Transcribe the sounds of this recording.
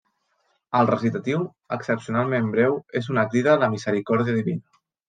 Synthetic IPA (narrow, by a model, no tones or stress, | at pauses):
əlˠrəsit̪ət̪iw | əksəpsiunalˠmembɾɛwezunək̪ɾiðələmizəɾikɔɾðiəðiβinə